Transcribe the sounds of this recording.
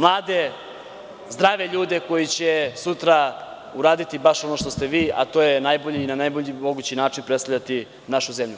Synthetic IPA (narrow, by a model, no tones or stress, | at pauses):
mlˠaːd̪e̞ | zd̪ɾaʋe̞ʎuːd̪e̞ko̞jit͡ɕe̞sut̪ɾa | uɾaːd̪it̪ibaʃo̞no̞ʃt̪o̞st̪e̞ʋiːʔa̰t̪o̞ːjenajbo̞ʎiːnanajboʎimo̞ɡuːt͡ɕinaːt͡ʃinpɾest̪avʎʲat̪i | naʃuze̞mʎu